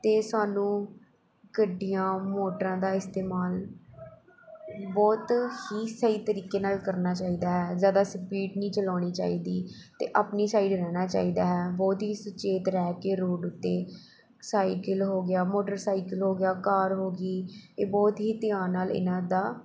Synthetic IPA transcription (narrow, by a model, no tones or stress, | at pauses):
t̪eːsaːnũː | kəɖːijãːmoːʈəɾãːd̪aːɪst̪eːmaːl | bɔːt̪hiːsəiːt̪əɾiːkeːnaːlkəɾnaːt͡ʃaːiːd̪aːɦɛːzjaːd̪aːsəpiːʈnĩːt͡ʃəlaːɽ̃iːt͡ʃa̰ːiːd̪iːt̪ḛːʔaːpniːsaːiːɖɾɛːñaːt͡ʃa̰ːiːd̪aːɦɛːbɔːt̪ɦiːsʊt͡ʃeːt̪ɾɛːkeːɾoːɖʊt̪ːeː | saːikəlɦoːɡɪjaːmoːʈəɾsaːiːkəlɦoːɡɪjaːkaːɾɦoːɡiːeːbɔːt̪ɦiːt̪ɪjãːnaːlɪ̰nãːd̪aː